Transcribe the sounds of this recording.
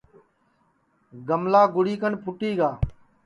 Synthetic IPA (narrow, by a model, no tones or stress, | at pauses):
ɡəmlaːɡʊɽiːkəɳpʰʊʈiːɡaː